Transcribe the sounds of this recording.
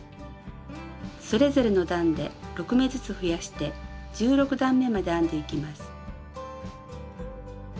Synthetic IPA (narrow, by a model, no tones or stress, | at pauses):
so̞ɾe̞zo̞ɾe̞no̞d̪ãnd̪e̞ɾo̞kɯ̟me̞zɨt͡sɨɸɯ̟jaɕi̥t̪e̞d͡ʑɨːɾo̞kɯ̟d̪ãmːe̞mad̪e̞ãnd̪e̞ikʲimasɨ̥